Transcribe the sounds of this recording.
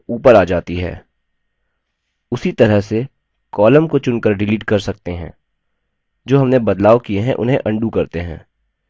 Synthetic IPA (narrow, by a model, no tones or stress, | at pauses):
uːpəɾaːd͡ʒaːt̪iɦɛ̰ː | ʊsit̪ɐɾəɦse | kɔːləmkot͡ʃʊ̃nkəɾɖɪliːʈkɐɾsɐk̚t̪eɦɛ̰̃ː | d͡ʒoːɦɐmnebɐd̪laːʋkieɦɛ̰̃ʔʊ̰nɦḛ̃ʔɐ̃ɳɖukɐɾt̪eɦɛ̰̃ː